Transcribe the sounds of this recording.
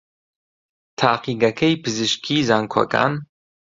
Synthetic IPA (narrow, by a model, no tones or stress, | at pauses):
t̪ʰaːqiːɡɐkʰɐjpʰɨzɨʃkʰiːzaːŋkʰwɐ̰kʰa̰ːn